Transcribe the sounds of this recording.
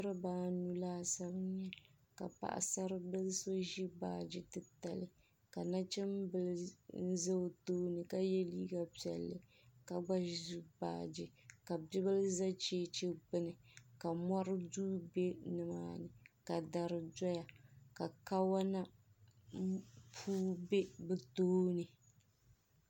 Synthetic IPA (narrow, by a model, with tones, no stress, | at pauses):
ɾɨ˦baː˦nu˨laː˦sa˦bɨ˦ɲɛ˦ | ka̰˨pa̰˨ʔa̰˨sa˦ɾɨ˦bɨ˦lso˦ʒi˦ba̰ː˨d͡ʒi˦tɨ˨ta˨lɨ˨ | ka˨na˦t͡ʃɛ˦m˦bɨ˦ln̩˦zɨ˦˨toː˦nɨ˨ka˦jɛ˦liː˦ɡa˦˨pi˨ɛ̰˨lːɨ˨ | ka˨ɡ͡ba˦ʒu˦ba̰ː˨d͡ʒi˨ka˨bi˦bɨ˦lɨ˦za˦t͡ʃeː˦t͡ʃe˦ɡ͡bɨ˦nɨ˨ka˨mɔ˦ɾɨ˦duː˦be˦nɨ˨ma̰ː˦nɨ˨ka˨da˨ɾɨ˨dɔ˦ja˨ka˨ka˦wa˦na˦ | pʰuː˦be˦bɨ˨toː˦nɨ˨